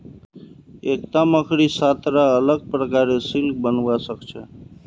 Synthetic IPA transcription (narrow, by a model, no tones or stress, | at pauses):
ek̚t̪aməkʰɾisat̪ɾaələɡ̚pɾəkaɾesilk̚bənwasəkt͡ʃʰə̰